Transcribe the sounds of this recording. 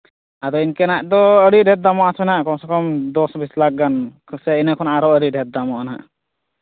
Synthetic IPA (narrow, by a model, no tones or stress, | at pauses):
ad̪ɔinkɛnaʔd̪ɔəɽiɖʱɛt̪̚d̪amɔasɛnaʔkɔnsɔkɔmd̪ɔsbislak̚ɡankʰsɛinəkʰɔnaɾɔəɽiɖʱɛt̪̚d̪amɔʔana̰ʔ